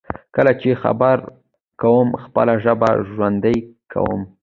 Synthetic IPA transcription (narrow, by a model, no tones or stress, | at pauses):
kəlat͡ʃexa̰baɾ | kawəmxpəlaʒəba̰ʒwand̪əjkʰa̰wə̰m